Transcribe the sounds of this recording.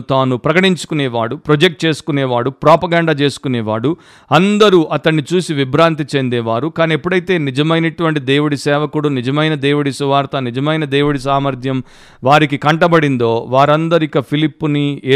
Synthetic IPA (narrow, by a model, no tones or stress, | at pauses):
t̪aːnupɾɐkɐʈiɲt͡ʃu̥kuneːʋaːɽupɾod͡ʒek̚ʈ̚t͡ʃe̞ːsu̥kuneːʋaːɽupɾaːpɐɡaːɳɖaːt͡ʃe̞ːsu̥kuneːʋaːɽu | ɐnd̪ɐɾuʔɐt̪ɐɳːit͡ʃuːsiʋibɾaːnt̪̬it͡ʃe̞nd̪eːʋaːɾukaːniepːuɽɐjit̪e̞ːnid͡ʒɐmɐjnɐʈuʋɐɳʈid̪eːwuɽisɛːʋɐkuɽunid͡ʒɐmɐjnɐd̪eːwuɽisuʋaːɾt̪ɐnid͡ʒɐmɐjnɐd̪eːwuɽis̬aːmɐɾd̪ʱjɐm | ʋaːɾikikɐɳʈɐbɐɽind̪o̞ːʋaːɾɐnd̪ɐɾikɐpʰilipːunieː